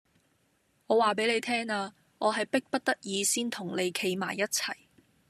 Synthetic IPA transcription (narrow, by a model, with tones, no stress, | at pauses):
ŋɔː˨˧waː˨p̬e˨˥jle˨˧jt̪ʰɛː˥ŋaː˧ | ʔɔː˨˧ɦɐ˨jpɪ˥k̚pɐ˥t̚t̪ɐ˥t̚jiː˨˧siː˥nt̪ʰʊ˨˩ŋle˨˧jkʰe˨˧jmaː˨˩jːɐ˥t̚t͡sʰɐ˨˩j